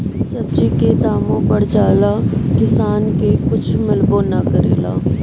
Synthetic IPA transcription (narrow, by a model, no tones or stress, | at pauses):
sɐbd͡ʒiked̪aːmõpɐɽd͡ʒaːlakɪsaːnkekʊt͡ʃʰmɪlbõnakɐɾḛːla̰ː